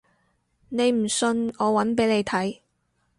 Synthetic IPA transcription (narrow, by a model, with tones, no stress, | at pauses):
ne˨˧jm̩˨˩sɵ˧nɔː˨˧wɐ˨˥npe˨˥jle˨˧jt̪ʰɐ˨˥j